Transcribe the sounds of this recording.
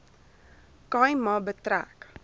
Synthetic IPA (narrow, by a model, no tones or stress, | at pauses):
kɑjmɑbətɾæ̰k